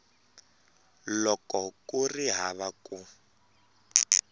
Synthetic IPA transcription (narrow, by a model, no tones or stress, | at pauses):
lɔkɔkuriɦaβaku